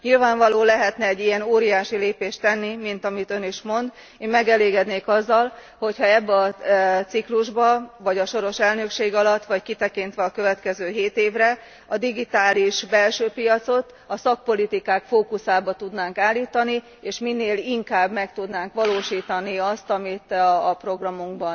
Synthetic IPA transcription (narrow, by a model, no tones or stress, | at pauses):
ɲilvaːɱvɒloːlɛɦɛt̪nɛɛɟːijɛnoːɾijaːʃileːpeːʃt̪ɛnːimint̪ɒmit̪ø̞niʃmo̞nd̪ | eːmmɛɡɛleːɡɛd̪neːkɒzːɒl | ho̞chɒɛbːɛɒt̪sikluʒbɒvɒɟɒʃo̞ɾo̞ʃɛlnø̞kʃeːɡɒlɒt̪ːʋɒckit̪ɛkint̪ʋɛɒkøvɛt̪kɛzøːɦeːt̪eːvrɛ | ɒd̪iɡit̪aːliʃbɛlʃøːpijɒt̪so̞t̪ | ɒsɒk̚po̞lit̪ikaːkfoːkusaːbɒt̪ud̪naːŋkaːlːiːt̪ɒni | eːʃminːeːliŋkaːbmɛkt̪ud̪naːŋkʋɒloːʃiːt̪ɒniɒst̪ɒmit̪ːpro̞ɡrɒmuŋɡbɒn